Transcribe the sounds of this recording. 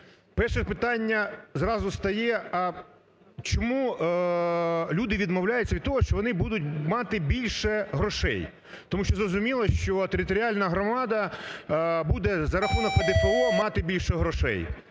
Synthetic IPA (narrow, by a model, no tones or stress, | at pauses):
pɛrʃɪpɪt̪ɑnʲːɐzrɑzʊst̪ɐjɛɐ | t͡ʃɔmu | lʲud̪ɪʋʲid̪mɔwlʲajʊtt͡sʲɐʋʲid̪̚t̪ɔɦɔʃt͡ʃɔʋɔnɪbud̪ʊt̚ʲmɑt̪ɪbʲilʲʃɛɦɾɔʃɛ̰j | t̪ɔmuʃt͡ʃɔzɾɔzʊmʲilˠɐʃt͡ʃɔt̪eɾʲɪt̪ɔɾʲiɑlʲnɐɦɾɔmɑd̪ɐ | bud̪ɛzɐɾɐxɔnɐped̪ɪpelˠɔmɑt̪ɪbʲilʲʃɛɦɾɔʃɛ̰j